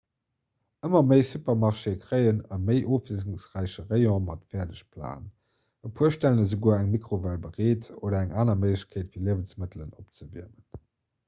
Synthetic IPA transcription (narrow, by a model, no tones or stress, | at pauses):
əmɐməɪsupɐmɑʁʃekʁəɪənɑməɪʔoːfiəzuŋsʁæɪɕəʁəɪɔ̃mɑtfɛːɐdəɕpʰla̰ːn | əpʰuəʃtæləəzuɡuːɐæŋmikχovælbəʁeːtʰoːdɐæŋʔaːnɐməɪləɕkʰeːtfiːɐliəvənsmətələnop̚t͡səvḭɐmən